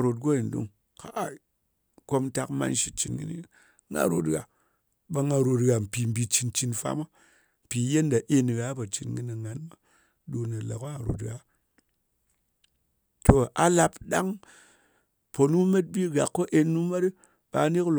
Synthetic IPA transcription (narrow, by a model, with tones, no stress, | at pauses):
ɾo˨t̬̚ɡo˦i˨n˨dṵ˦ŋ | ka˨ | ko˧m˦ta˦kma̰˧nʃi˨˦t͡ʃi˨nɡɨ̰˦nḭ˦˨˦ | ŋa̰˦ɾo̰˨tɣa̰˨ | ba˧ŋa˧ɾo˨tɣa˨m̩˨pi˨m̩˨bi˨t͡ʃi˧nt͡ʃi˧nfa̰˦ma˦ | m̩˨pi˨˦je˦nda˨ʔe˦n˨ɣa˦pa˨t͡ʃi˨nɡɨ˦ni˨ŋa˨nma˦ | ɗu˧na˨la̰˨ka˦a˨ɾo̰˨tɣa˨˦ | to˨a˨la˧pɗa˦ŋ | po˨nu˦me˦t̚bi˦ɡa˨kːo˦ʔe˧nu˦ma˦ti˦ | ba˨˦ne˦kl